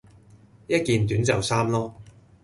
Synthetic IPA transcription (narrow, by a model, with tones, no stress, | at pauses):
jɐ˥t̚kiː˨nt̪̬yː˨˥nt͡sɐ˨wsaː˥mlɔː˥